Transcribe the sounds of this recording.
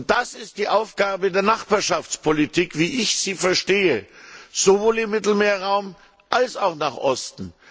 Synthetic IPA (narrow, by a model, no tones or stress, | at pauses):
ntd̥asɪst̚d̥iːʔaʊfɡ̥aːbədeːɐnaχb̥aːɐʃaft͡spʰolitʰiːkv̥iːʔɪçz̥iːfɛɐʃteːəz̥ovoːlɪmːɪtl̩meːɐʁaʊm | ʔalsaʊxnaːχʔɔstn̩